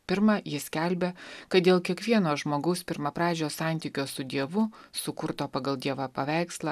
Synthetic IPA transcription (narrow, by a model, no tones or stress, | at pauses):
pʲɪɾmɐjɪsʲkʲælʲbʲɛkɐt̪̚d̪ʲeːlˠkʲiɛkʋʲiɛnoːʒmoːɡɐʊspʲɪɾmɐpɾɑːd͡ʒʲoːsɑˑnʲt̪ʲiːkʲoːsʊd̪ʲiɛʋʊsʊkʊɾt̪oːpɐɡɐlˠd̪ʲiɛʋɐpɐʋʲæˑɪkslˠɐː